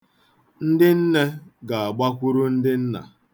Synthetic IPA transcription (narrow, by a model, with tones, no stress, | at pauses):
n̩˦dɪ˦n̩˦ne˦ɡa˨a˨ɡ͡ba˦kʷu˦ɾu˦n̩˦dɪ˦n̩˦na̰˨